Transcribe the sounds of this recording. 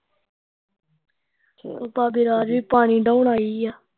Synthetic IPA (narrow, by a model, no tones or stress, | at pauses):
paːbiːɾaːd͡ʒʋiːpaːɳiːɖaːʊɳaːiːjaː